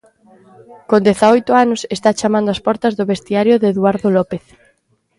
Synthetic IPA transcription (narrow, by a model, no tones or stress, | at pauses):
kond̪eθaɔjt̪ʊanʊsest̪at͡ʃamãnd̪oaspɔɾt̪ɐzðʊβest̪iaɾjoðeːðwaɾðolɔpeθ